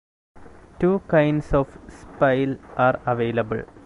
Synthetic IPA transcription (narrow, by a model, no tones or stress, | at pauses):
ʈuːkaɪnɖsoːfspaɪlʔaːɾɐʋeːlɐbɨ̰ɭ